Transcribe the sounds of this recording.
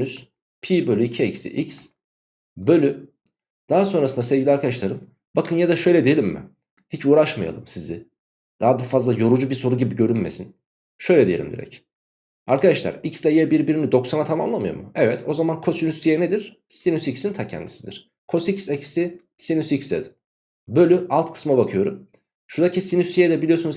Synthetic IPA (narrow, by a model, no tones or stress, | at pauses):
nys | pʰiːbø̞lʲyicʰiɛcsḭʔics | bø̞lʲy | d̪̥aɦaso̞nɾasɯnd̪asɛvɟilʲiaɾkʰad̪aʃlˠaɾɯm | bakʰɯnjad̪aʃø̞jlʲɛd̪ijelʲimːɪ̰ | hit͡ʃʰuːɾaʃma̰ja̰lˠɯmsizɪ | d̪̥aɦad̪afazlˠajo̞ɾud͡ʒubiso̞ɾuɟibiɟø̞ɾynmḛsin | ʃø̞jlʲɛd̪ijelʲimd̪ḭɾɛ̰c | aɾkad̪aʃlˠa̰ɾicsd̪ɛjɛbiɾbiɾinid̪o̞ksanat̪ʰamamlˠamɯjo̰mɯ̰ɛvɛt̪ʰo̞zamankʰo̞sinyst̪ʰijɛned̪iɾ̥ | sinysicsint̪ʰacʰɛ̰nd̪isid̪iɾ̥ | kʰo̞sicsɛcsi | sinysicsd̪ɛ̰d̪ɪ | bø̞lʲyalˠt̪kʰɯ̥smabakʰɯjo̞ɾum | ʃuɾd̪acʰisinyst̪ʰijɛd̪ɛbilijo̞sunz